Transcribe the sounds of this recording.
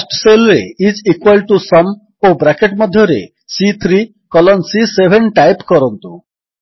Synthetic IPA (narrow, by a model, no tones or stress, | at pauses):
sʈselɾḛid͡zikwalʈusʌm | obɾakeʈmʌd̪ʱːjɔɾḛ | sit̪ʰɾi | kɔlɔnsisebʱeɳʈajpkɔɾɔnt̪u